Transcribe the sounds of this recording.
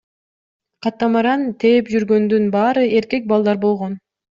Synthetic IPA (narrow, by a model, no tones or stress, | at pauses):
qʰɑt̪ːɑmɑɾɑnt̪ʰepd͡ʒyɾɡø̞nd̪ynbɑːɾɯe̞ɾke̞k̚bɑlˠd̪ɑɾbo̞lˠʁo̞n